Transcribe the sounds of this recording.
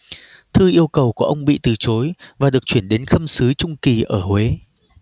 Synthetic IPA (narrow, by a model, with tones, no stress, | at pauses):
t̪ʰɨ˧ʔi˧əwkə˨˩wku˧˩əʔə˧wŋ͡mɓḭ˧˨t̪ɨ˨˩t͡ɕo˨˦jvaː˨˩ɗɨ˨˩ək̚t͡ɕwi˧˩ənɗe˨˦nxə˧msɨ˨˦t͡ɕʊ˧ŋ͡mki˨˩ʔəː˧˩hwe˨˦